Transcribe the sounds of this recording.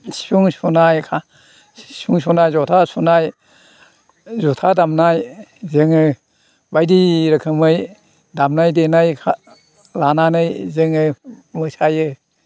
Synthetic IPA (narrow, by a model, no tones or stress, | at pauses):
si̥sʰuŋsunajkʰa | sʰuŋsunajzɔtʰasunaj | zɔtʰadamnajzɯŋɯ | bajdiɾɯkʰɯmɯj | damnajdenajkʰa | lananɯjzɯŋɯmɯsajɯ